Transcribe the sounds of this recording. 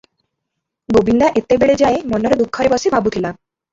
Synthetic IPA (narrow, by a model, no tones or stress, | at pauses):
ɡobind̪aʔet̪ebeɭed͡ʒaemɔnːɔɾed̪ukʰːɔɾebɔsibʱabut̪ʰila